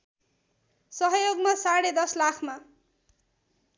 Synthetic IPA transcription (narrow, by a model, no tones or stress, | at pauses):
sʌɦʌjoɡmasaɽed̪ʌslakʰma